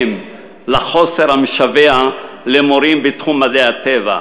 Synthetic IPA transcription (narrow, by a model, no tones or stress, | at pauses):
m | laχo̞seɾhamiʃavea | lemoɾimbet̪χumːadeat̪eva̰